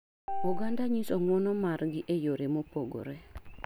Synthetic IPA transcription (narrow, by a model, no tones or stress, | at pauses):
oɡandaɲisɔŋwɔnɔmaɾɡɪʔejoɾemopoɡo̰ɾe